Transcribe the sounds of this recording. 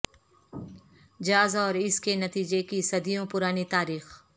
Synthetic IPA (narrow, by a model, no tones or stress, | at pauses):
d͡ʒaːzɔːɾɪskenɐt̪iːd͡ʒekisɐd̪ijõpʊɾaːnit̪aːɾiːx